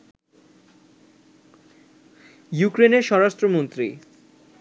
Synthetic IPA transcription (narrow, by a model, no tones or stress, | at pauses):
jukɾeneɾʃɔɾaʃʈɾomont̪ɾi